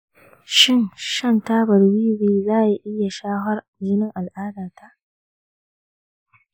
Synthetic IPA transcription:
ʃɪ˦ŋʃɐ˦ntaː˦bɐ˨rwiː˦beː˨zaː˦˨ji˦ʔɪ˦ja˨ʃaː˦ɦɐ˦r | d͡ʒɪ˦nɪ˦ŋʔa˨lʔaː˦daː˨ta˦˨ʔ

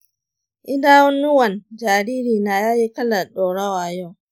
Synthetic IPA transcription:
ʔɪ˦daː˦wɔ˦nːʊ˦wɐ˨nd͡ʒaː˨ɾiː˦ɾiː˨naː˨jaː˦ji˦kɐ˦la˨ɗɔː˨ɽa˦waː˨jo˦˨

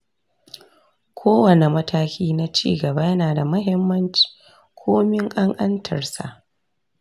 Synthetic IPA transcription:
kʷʰoː˦wɐ˨ne˨mɐ˦tʰaː˦kʲiː˦na˦t͡ʃḭː˦˨ɡɐ˨ba˦jɐ˦naː˨da˨mɐ˦ɦɪ˦mːɐ˦nt͡ʃi̥˨ | kʷʰoː˦mɪ˦ŋʔa˦ŋʔɐ˦ntʰɐ˨rsa̰˨ʔ

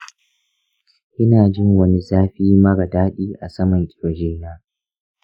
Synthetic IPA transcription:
ʔɪ˦naː˨d͡ʒɪ˦˨ŋwɐ˦ni˦zaː˦ɸiː˦mɐ˦ɽɐ˨daː˦ɗiː˦ʔa˨sɐ˦mɐ˨ŋkʲʼɪ˨ɾo˨d͡ʒeː˦naː˦

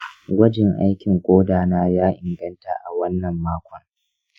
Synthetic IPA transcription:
ɡʷɐ˦d͡ʒɪ˨ŋʔa̰˦jkʲɪ˨ŋkʷʼoː˦daː˨naː˦jaː˦ʔɪ˨ŋɡɐ˦nta̰ː˨ʔa˨wɐ˦nːɐ˨mːaː˦kʷʰɔ˨ŋ

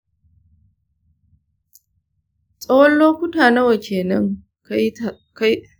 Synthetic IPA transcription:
sʼɐ˦wɔ˦lːoː˦kʷʊ˦taː˨nɐ˦wɐ˨kʲʰeː˨nɐ˦ŋ | ka˦

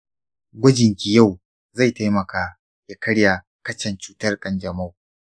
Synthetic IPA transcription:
ɡʷɐ˦d͡ʒɪ˨ŋkʲi˨ja˦˨w | za˦˨jta˦jmɐ˨kaː˦ | ja˦kɐ˦ɽja˨ | kɐ˦t͡ʃɛ˨nt͡ʃuː˦tɐ˦rkʼɐ˨nd͡ʒɐ˨ma˦w

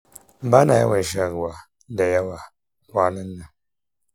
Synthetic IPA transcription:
m̩˦ba˦na˨ja̰˦wa˨ʃ̬a˨kwa˨˦ | da˨ja˦wa˨ | wa˦nə˦nːə˨

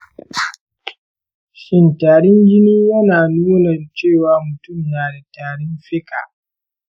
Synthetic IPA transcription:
ʃɪ˦ntaː˨ɾɪ˦nd͡ʒɪ˦niː˦jɐ˦naː˨nuː˦nɐ˨nt͡ʃeː˦˨waː˨˦mʊ˨tʊ˦˨mnaː˨da˨taː˨ɽɪ˦mɸɪ˦ka̰˨

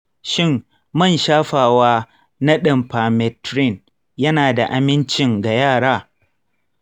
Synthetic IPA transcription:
ʃɪ˦˨mː | ɐ˦˨nʃaː˦ɸaː˨waː˦ | na˦ɗɪ˨mpaː˨mɛ˨tɾɪ˦˨n | jɐ˦naː˨da˨ʔa˨mɪ˦nt͡ʃɪ˨ŋɡa˨jaː˦˨ɽaː˦

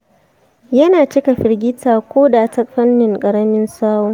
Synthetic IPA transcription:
jɐ˦naː˨t͡ʃɪ˦ka˨ɸɪ˨rɡʲɪ˦tʰaː˨kʷoː˦daː˨tɐ˦kɸɐ˦nːɪ˨ŋkʼɐ˨ɾɐ˦mɪ˦nsaː˦woː˦

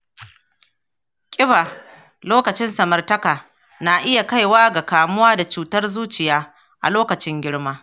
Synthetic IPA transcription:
kʲʼɪ˦baː˨ | loː˦kɐ˨t͡ʃɪ˦nsɐ˨mɐ˨rtɐ˦kaː˨ | na˨ʔɪ˦ja˨ka˦jwaː˦ɡa˨kaː˨mʊ˦waː˦da˨t͡ʃuː˨tɐ˦rzuː˦t͡ʃɪ˨jaː˦ | ʔa̰˨loː˦kɐ˨t͡ʃɪ˦ŋɡʲɪ˦ɽmaː˦

